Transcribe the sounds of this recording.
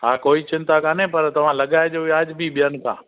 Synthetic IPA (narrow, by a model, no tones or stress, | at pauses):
ɦaːkoːit͡ɕɪ̃nt̪akʰãːnẽpɐɾt̪ɐʋ̤ãlɐɠaːed͡ʒojaːd͡ʒbʱiɓɪjənkʰã̰ː